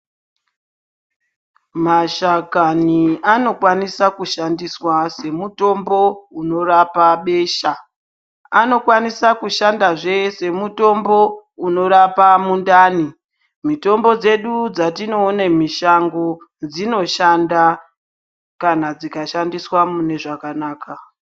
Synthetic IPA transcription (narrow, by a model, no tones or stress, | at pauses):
maʃakaniano̞kwanisakuʃandiswase̞muto̞mbo̞uno̞rapaɓe̞ːʃa | ano̞kwanisakuʃandaʐe̞se̞muto̞mbo̞uno̞ɾapamundaːni | mito̞mbo̞d͡ze̞ɗud͡zatino̞ːnemiʃaŋɡo̞ | d͡zino̞ʃanda | kanad͡zikaʃandiswamune̞ʐakanaːka